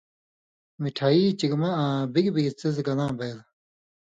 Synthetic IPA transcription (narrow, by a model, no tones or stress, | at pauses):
miʈʰaːiːt͡ɕiɡmaãbiɡbiɡt͡sizɡɐlãːbejl